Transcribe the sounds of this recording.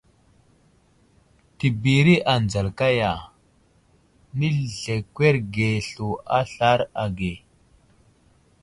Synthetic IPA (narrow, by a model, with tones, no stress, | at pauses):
ti˨bi˨ɾi˦ʔa˨nd͡za˨lka˦ja˨ | ni˦ɮe˨kʷwe˦ɾɡe˨ɬu˨a˦ɬa˦ɾa˨ɡe˨